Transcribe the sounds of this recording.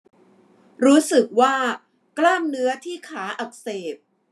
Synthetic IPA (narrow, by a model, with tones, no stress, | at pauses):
ɾuː˦˥sɯ˨˩k̚waː˥˩ | klaː˥˩mnɯ˦˥ɐt̪ʰiː˥˩kʰaː˩˦ʔa˨˩k̚seː˨˩p̚